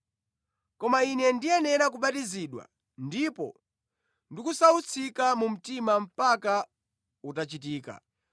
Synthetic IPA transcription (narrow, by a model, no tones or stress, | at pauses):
kɔmainɛndiɛnɛɾak̬uɓatiziɗwa̰ | ndipɔ̰ | ndikusaut͡sʰikamum̩timam̩paka | utat͡ʃit̬iːka̰